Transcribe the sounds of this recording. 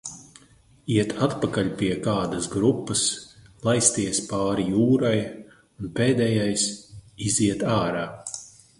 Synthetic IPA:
iɛt̪ʰat̪pakaʎʲpʲiɛkaːd̪ɐsɡɾupːɐslˠajst̪iɛspaːɾijuːɾaj | unpeːd̪ɛjajsiziɛt̪aːɾaː

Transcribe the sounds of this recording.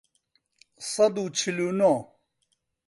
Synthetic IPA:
sɐd̪ut͡ɕʰiluno

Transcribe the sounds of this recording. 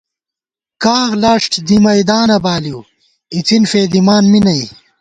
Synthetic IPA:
kaːɣlaːʂʈd̪imɐjd̪aːnɐbaːliw | it͡sinfeːd̪imaːnminɐj

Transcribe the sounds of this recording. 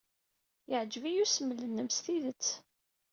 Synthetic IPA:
jəʕd͡ʒəvijusəmːələnːəmst̪iðət͡sː

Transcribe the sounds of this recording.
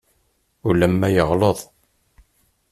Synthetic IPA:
ulæmːæjəʁloðˤ

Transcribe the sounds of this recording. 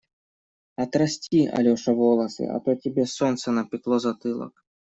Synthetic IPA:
ɐt̪ɾɐsʲtʲiɐ̰lʲɔʂɐvɔlˠɐsɨ̰ɐ̰t̪ɔtʲibʲɛsɔnt̪sɐnɐpʲɪklˠɔzɐt̪ɨlˠɐ̰k

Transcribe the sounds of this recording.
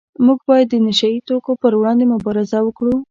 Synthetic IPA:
muɡbɑjad̪ːənɪʃait̪okopəɾwɽɑnd̪emʊbɑɾɪzawəkɽu

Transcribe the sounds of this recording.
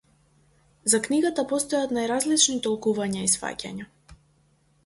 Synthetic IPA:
zakniɡat̪apɔst̪ɔjat̪najɾazlit͡ʃnit̪ɔlˠkuvaɲaisfa̰ca̰ɲa

